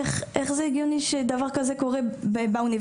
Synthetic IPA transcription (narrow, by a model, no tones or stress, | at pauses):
ɛχɛχzeɡjoniʃed̪avaʁkazekoʁɛbɛbawniv